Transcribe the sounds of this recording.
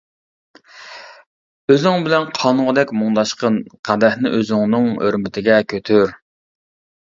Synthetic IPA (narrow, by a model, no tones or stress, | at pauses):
øzɪŋbɪlɛnqʰɑnʊʁəd̪ɛkʲmuŋd̪ɑʃqənqʰæd̪ɛhnɪ̰ʔøzɪŋnɨŋø̰ɾmɪt̪ʰɪɡʲɛkʲʰøt̪ʰyɾ